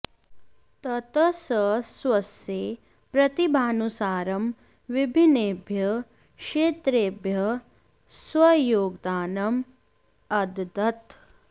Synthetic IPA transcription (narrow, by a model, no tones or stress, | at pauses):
t̪ɐt̪ɐsɐsʋɐseː | pɾɐt̪ibʱaːnusaːɾɐm | ʋibʱineːbʱjɐ | kʃʂeːt̪ɾeːbʱjɐ | swɐjoːɡd̪aːnɐm | ɐd̪d̪ɐt̪